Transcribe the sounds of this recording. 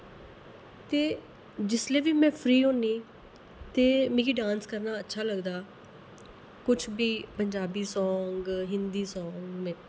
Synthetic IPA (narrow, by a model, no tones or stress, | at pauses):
t̪eː | d͡ʒɪsleːʋiːmɛ̃ːpʰɾiːɦõːniː | t̪eːmĩːkiːɖãːnskəɾnaːətːʃʰaːləɡd̪aː | kʊt͡ʃʰbiːpəɲd͡ʒaːbiːsɔːŋɡɦɪnd̪iːsɔ̃ːŋɡmɛ̃ː